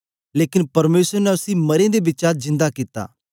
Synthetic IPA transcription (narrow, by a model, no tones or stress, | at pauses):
leːkɪnpɐɾmeːsəɾnɛʊsĩmɐɾẽd̪ebɪt͡ʃazɪ̃nd̪akit̪ːa̰ː